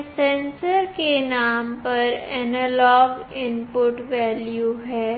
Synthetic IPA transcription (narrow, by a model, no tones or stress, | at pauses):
sɛ̃nsəɾkenaːmpɐɾɛnəlɔːɡɪmpʊʈʋɛːljuɦɛː